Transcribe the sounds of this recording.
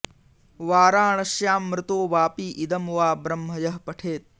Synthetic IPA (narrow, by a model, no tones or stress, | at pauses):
ʋaːɾaːɳɐʃjaːmːɾɪt̪oːʋaːpiːʔid̪ɐmʋaːbɾɐmɦɐjɐɦpɐʈʰeːt̪̚